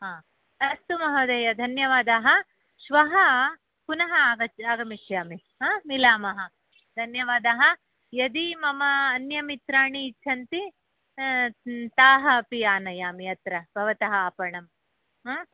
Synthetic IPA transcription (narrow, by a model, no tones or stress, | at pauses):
ɦãː | ɐst̪umɐɦɐd̪ɐːjɐd̪ʱɐnjɐʋaːd̪aːɦɐ̆ | ʃʋɐɦɐ | kunɐɦɐaːɡɐt͡ʃaːɡɐmiʃjaːmi | ɦaːmilaːmɐɦɐ | d̪ʱɐnjɐʋaːd̪aːɦɐ̆ | jɐd̪imɐmɐːnjɐmit̪ɾaːɳiːt͡ʃʰɐnt̪i | t̪aːɦɐpijaːnɐjaːmiɐt̪ɾɐbʱɐʋɐt̪ɐɦɐaːpɐɳɐm | aː